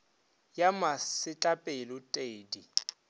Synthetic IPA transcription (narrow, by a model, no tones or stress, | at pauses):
jamasɪt͡ɬʼapʼelʊtʼeːdi